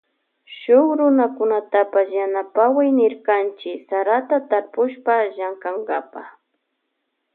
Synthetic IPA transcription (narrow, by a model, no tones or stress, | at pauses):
ʃʊχɾʊnakʊnat̪apasjanapawajnɪɾkant͡ʃɪsaɾat̪at̪aɾpʊʃpaʒaŋkaŋɡapa